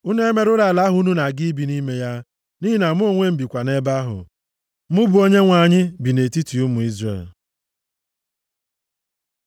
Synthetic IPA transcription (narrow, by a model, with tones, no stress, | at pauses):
u˦ne˦me˨ɾʊ˦la˨la˦ɦu˦nu˦na˨ɡɪ˦bi˨ni˦me˦ja˦ | ni˦i˦na˨m˦o˦˨ŋʷe˦m̩˨bi˨kʷa˨ne˦ba˦ɦʊ̰˨ | mʊ˦bʊ˨o˦ɲe˦ŋʷa˨ɲɪ˦bi˨ne˨ti˦ti˨u˦mu˨i˦zrḛ˨l